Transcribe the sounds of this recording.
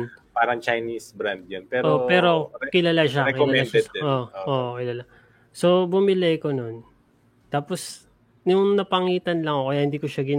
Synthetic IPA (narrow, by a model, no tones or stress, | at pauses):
paːɾɐŋt͡ʃɐjnisbɾand̪̚jonpɛːɾʔoppɛːɾo̞kɪlalaʃaɾɛkɪlalaɛʔoʔoʔokɪlala | so̞bʊmɪlɛjkonon | t̪aːpos | nʊŋnɐpɐŋiːt̪ɐnlɐŋokɐjahɪnd̪iːkoʃaɡɪn